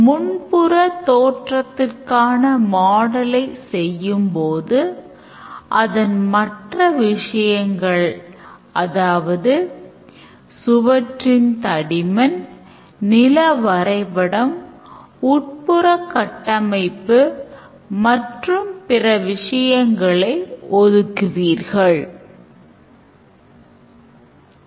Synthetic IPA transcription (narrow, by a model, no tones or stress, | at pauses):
mʊɳpʊrɐt̪ːoːʈrɐt̪ːɪrkaːnɐmaːɽɐlɐɪsɛjːɯmpoːðɯ | ʔɐðɐnmɐʈrɐʋɪʂɐjɐŋɡɐɭ | ɐðaːʋɐðɯ | sʊʋɐʈrɪnt̪ɐɽɪmɐn | nɪlɐʋɐɾɐɪpɐɽɐm | ʊʈ̚pɯɾɐkːɐʈːɐmɐɪpːɯ | mɐʈrɯmpɪrɐʋɪʂɐjɐŋɡɐɭɐɪɔðɯkːɯʋiːɾɣɐɭ